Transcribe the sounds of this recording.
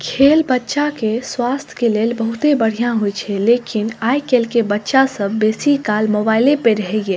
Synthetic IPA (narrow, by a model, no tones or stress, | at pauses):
kʰeːlbətːʃakeswaːst̪ʰkeleːlbəɦʊt̪ebəɽ̤ijãɦojt͡ʃʰɛleːkɪnaːjkeːlkebətːʃasəbːeːsikaːlmobaːɪlẽpeɾəɦɛɡeː